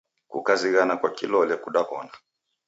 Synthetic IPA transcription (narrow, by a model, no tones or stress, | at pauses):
kṵkaziɣanakwakilɔlɛkuɗapɔna